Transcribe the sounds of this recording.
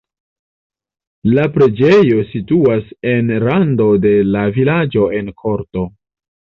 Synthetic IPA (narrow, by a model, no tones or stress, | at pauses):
lapɾe̞d͡ʒejo̞situase̞nɾando̞de̞lavilad͡ʒo̞e̞nkʰo̞ɾto̞